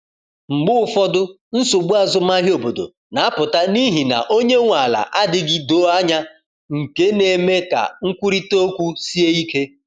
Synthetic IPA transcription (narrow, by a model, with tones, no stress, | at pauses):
ŋ͡m̩˨ɡ͡bʊ˦ʊ˦fɔ˦dʊ˦ | n̩˦so˨ɡ͡bu˦a˦zʊ˦m̩˦a˦ɦjo˨bo˨do̰˨ | na˨˦a˦pʊ˨ta˦ni˦ɦi˨na̰˨ʔo˦ɲe˦ŋʷa˨la̰˨ʔa˦dɪ˦ɡɪ˦do˨˦a˦ɲa˦ | ŋ̩˨ke˦ne˨me˦ka̰˨ŋ̩˦kʷu˦ɾi˦to˦kʷu˦si˦e˦i˦ke˦